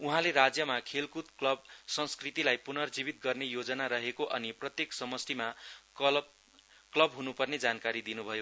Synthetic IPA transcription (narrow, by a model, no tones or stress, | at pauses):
uɦãleɾad͡zjʌmakʰelkut̪klʌbsʌ̃nskrit̪ilajpunʌrd͡zibit̪̚ɡʌrnejod͡zʌnaɾʌɦekoʔʌniprʌt̪jeksʌmʌst̪ima | klʌbɦunupʌrned͡zankaɾid̪inubʱʌjo